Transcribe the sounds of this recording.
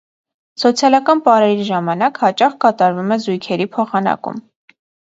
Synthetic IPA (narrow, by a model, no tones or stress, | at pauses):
sɔt͡sʰjɑlɑkɑnpɑɾɛɾiʒɑmɑnɑkhɑt͡ʃɑχkɑt̪ɑɾvumɛzujkʰɛɾipʰɔχɑnɑ̰kṵm